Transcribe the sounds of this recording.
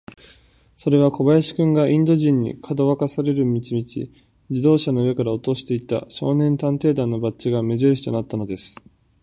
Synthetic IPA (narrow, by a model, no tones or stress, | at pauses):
so̞ɾe̞β̞ako̞bajaɕi̥kɯ̟̃ŋɡaʔĩnd̪o̞ʑĩɲ̟ːḭkʰad̪o̞βakasaɾe̞ɾɯ̟mʲit͡ɕimʲit͡ɕḭ | d͡ʑid̪o̞ːɕanoɯβe̞kaɾao̞t̪o̞ɕi̥t̪e̞it̪a̰ɕo̞ːnẽ̞nt̪ãnt̪e̞ːd̪ãnːo̞bat͡ɕiɡame̞zɨɾɯɕi̥t̪o̞nat̪ːano̞d̪e̞sɨ̥